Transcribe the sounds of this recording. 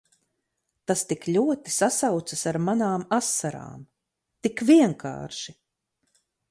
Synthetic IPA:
t̪ast̪iklʲuɔt̪isasawt̪sasaɾmanaːmasːaɾa̰ːm | t̪ikviɛŋkʰa̰ːɾʃi

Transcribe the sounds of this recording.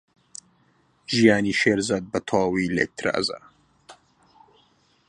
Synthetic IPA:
ʒijaːniʃeːɾzaːd̪̚bɐt̪ʰɑːwilḛk̚t̪ʰɾa̰ːza̰

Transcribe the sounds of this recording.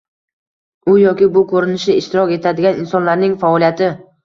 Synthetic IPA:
ʊjɒkʲɪbʊkʰoɾɪnɪʃɪɪʃt̪ɪɾɒkʲe̞t̪ʰad̪ɪɡʲanɪnsɒnlaɾnɪŋfaɒlijat̪ʰɪ

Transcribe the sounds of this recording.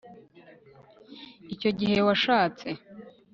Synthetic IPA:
ico̞ɟihe̞waʃaːt͡se̞

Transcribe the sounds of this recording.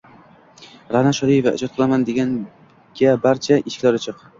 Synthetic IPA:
ɾanaʃɒlijevaʔɪ̰d͡ʒɒt̪̚qʰɨlˠamand̪e̞ɡʲan | ɡ̥ʲabaɾt͡ʃʰaʔɪʃɪ̥kʲlaɾɪt͡ʃʰɨq

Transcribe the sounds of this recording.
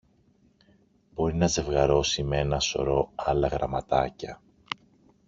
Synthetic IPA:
b̥o̞ɾinɐze̞vɣɐɾo̞simeenɐso̞̰ɾo̞ɐlɐɣɾɐmɐt̪ɐcɐ

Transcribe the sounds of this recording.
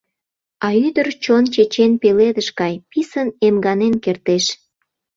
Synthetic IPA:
ɑyd̪ərt͡ɕont͡ɕet͡ɕenpeled̪əʃkɑjpisənemɡɑnenkert̪eʃ

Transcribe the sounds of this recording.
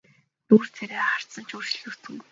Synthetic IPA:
nuːr̥t̪ʰeɾeːχar̥t̪sə̆nt͡ɕʰurt͡ɕɮuːt͡sɘ̆ŋɡu

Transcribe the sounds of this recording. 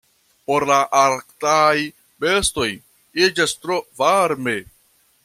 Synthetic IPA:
poɾlaʔaɾktaj | besto̞j | id͡ʒast̪ɾovaɾme

